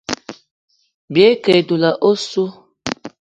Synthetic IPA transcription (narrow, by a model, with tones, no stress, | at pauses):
bi˨e˨˦ke˨du˨la˨ʔo˦su˦